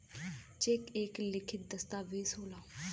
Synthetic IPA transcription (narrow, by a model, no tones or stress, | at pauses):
t͡ʃekeːklɪkʰɪt̪̚d̪əst̪aːʋeːsoːlaː